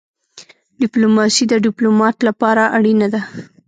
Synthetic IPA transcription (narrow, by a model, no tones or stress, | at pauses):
ɖɪplomɑsid̪əɖɪplomɑt̪lapɑɾaʔaɽinad̪a